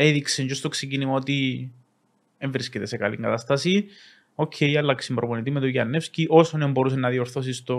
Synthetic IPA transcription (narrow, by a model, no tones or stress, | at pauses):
eðikseɲd͡ʒost̪oksecinimɐot̪i | eɱvɾiscet̪e̞sekɐlḭŋɡɐt̪ɐst̪ɐsi | o̞cʰːejɐlːɐksimbɾoponit̪imet̪oʝɐnːefsciʔo̞sonembo̞ɾus̬enːɐðioɾθos̬ist̪o